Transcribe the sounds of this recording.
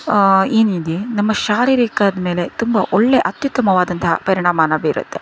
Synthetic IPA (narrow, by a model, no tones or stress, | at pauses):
eːnid̪enɐmːɐʃaːɾiːɾiːkaːd̪ɐme̞ːle̞t̪umbɐʔɔɭːeʔɐt̪jut̪ːɐmɐʋaːd̪ɐnt̪ɐɦɐ̰pɐɾiɳaːmaːnɐbeːɾṵt̪ʰːe